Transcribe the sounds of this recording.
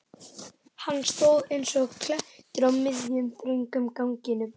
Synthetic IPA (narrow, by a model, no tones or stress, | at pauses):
hanːst̪owðejnsɔɣkʰlɛht̪ɪɾawmːɪðjʏmθɾʏŋkʏmkawŋcɪnʏm